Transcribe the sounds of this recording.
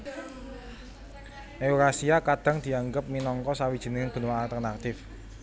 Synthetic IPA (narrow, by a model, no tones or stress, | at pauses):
ʔeuɾasiakad̪̥ä̤ŋd̪̥i̤aŋɡəp̚minɔŋkɔsawid̥ʒ̥i̤nɪŋŋb̥ṳnwaːlt̪ərnat̪ɪf